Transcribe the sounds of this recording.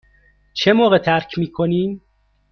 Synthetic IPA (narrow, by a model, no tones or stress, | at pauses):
t͡ʃʰemoːɣet̪ʰæɾcʰmiːkʰoniːm